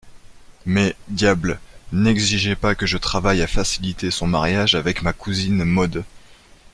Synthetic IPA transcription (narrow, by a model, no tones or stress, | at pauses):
mɛd̪jablnɛɡziʒepakəʒət̪χavajafasilit̪esɔ̃maʁjaʒavɛkmakuzinmɔd̪